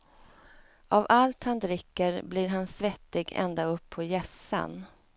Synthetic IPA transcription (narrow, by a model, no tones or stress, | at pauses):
ʔavalt̪hand̪ɾɪkːəɾbliɾɦansvɛt̪ːɪɡɛ̰nd̪aɵpʰːɔjɛsa̰n